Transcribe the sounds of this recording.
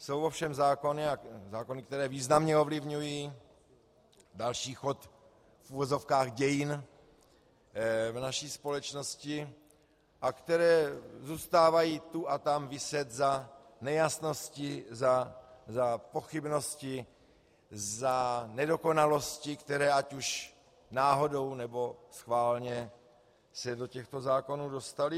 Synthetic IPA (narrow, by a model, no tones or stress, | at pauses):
sowofʃɛmzaːko̞nɪazaːko̞nɪkt̪ɛɾɛːviːznamɲɛo̞vlɪvɲujiː | dalʃiːxot̪ | fʔuvozo̞fkaːɣɟɛjɪn | vnaʃiːspo̞lɛt͡ʃnoscɪ | ʔakt̪ɛɾɛːzuːst̪aːvajiːt̪uʔat̪amvɪsɛt̪za | nɛjasno̞scɪzazapo̞xɪbno̞scɪ | zanɛdo̞ko̞nalo̞scɪkt̪ɛɾɛːacuʃ | naːɦo̞do̞wnɛbo̞sxvaːlɲɛ | sɛdo̞cɛxt̪o̞zaːko̞nuːdo̞st̪alɪ